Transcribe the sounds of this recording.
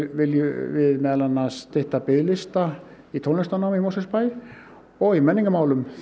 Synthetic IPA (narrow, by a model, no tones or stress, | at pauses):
ʋeljyʋemælænːɑst̪eht̪ɑpeːlist̪ɑ | it̪ʰonest̪ɑnɑmimosespɑi | oimæniŋɡæmɑulym